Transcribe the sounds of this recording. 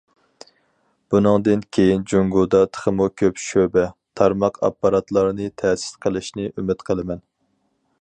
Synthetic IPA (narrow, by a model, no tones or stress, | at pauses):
b̥unɨŋd̪ɨnkʲʰejind͡ʒoŋɡud̪ɑt̪ʰə̥χəmukʲʰøpʃøbɛt̪ʰɑɾmɑqʰɑ̰pːɑɾɑt̪lˠɑɾnɨt̪ʰɛːsɪ̥sqʰəlˠɪʃnɪʔymɪt̪qʰəlˠɨmɛn